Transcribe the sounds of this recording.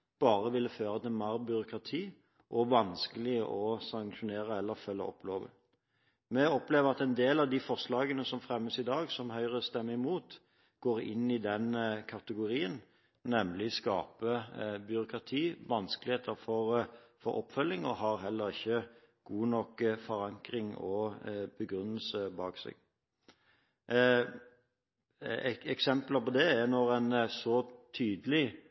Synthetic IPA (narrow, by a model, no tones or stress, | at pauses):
b̥ɑːʁəʋɪlːəføːʁəd̪ɛmæːʁbʏɾʊkʁɑt̪ʰiː | ʔɔʋɑnskəlɪəʔɔsɑŋʃʊneːʁəɛlːəʁfœlːə̰ɔ̰pːloːʋə̰ | mɛɔpleːʋəʁɑt̪ɛnd̪eːlɑʋd̪ɪfɔʁʂlɑːɡənəsɔmfʁɛmːəsɪd̪ɑːɡsɔmhœʏʁəst̪ɛmːəɪmuːt̪ | ɡ̥oːʁɪ̰nːɪd̪ɛnkʰɑt̪əɡʊʁiːən | nɛmlɪskɑ̰ːpəbʏɾʊkʁɑt̪ʰiːʋɑnskəlɪheːt̪ʰəɾfɔʁfɔɾɔ̰pːfœlːɪŋɔhɑɾɦɛlːəʁɪçːə | ɡ̥uːnɔkfɔɾɑŋkɾɪŋɔbəɡɾʉnːəlsəbɑːksɛ̰ɡ̥ | ɛksɛmpləpɔd̪ɛɛnɔʁɛnsɔt̪ʰyːd̪əlɪ